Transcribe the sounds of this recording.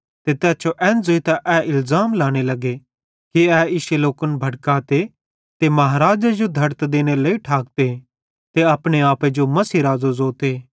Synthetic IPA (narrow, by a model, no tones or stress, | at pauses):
t̪et̪ɛːt͡ʃoʔɛ̃ːnzoit̪aʔɛːɪlzaːmlaːɽ̃elɐɡe | kiɛːɪʃeloːkənbʱɐɽkaːt̪e | t̪emɐɦaːɾaːd͡ʒad͡ʒod̪ʱɐɾt̪d̪eːɽ̃eleiʈʰaːk̚t̪e | t̪eɐpɽ̃eaːped͡ʒomɐsiːɾaːzozoːt̪eː